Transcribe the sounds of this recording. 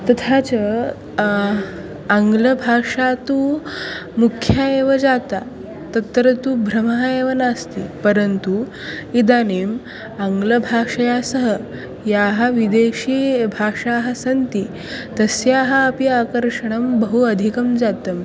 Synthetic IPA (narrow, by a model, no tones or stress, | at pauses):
t̪ɐt̪ʰat͡sə | aŋɡləbʱaʂat̪u | mukʰjaeʋəd͡zat̪a | t̪ɐt̪ːɾət̪uːbʱɾəməɦaeʋənast̪ipəɾənt̪u | id̪aniːm | aŋɡləbʱaʂɐjasəɦə | jaɦaʋid̪eɕiːbʱaʂaɦəsɐnt̪i | t̪əsjaɦɐːpiakəɾʂəɳ̃əmbəɦuɐd̪ʱikəmd͡zat̪əm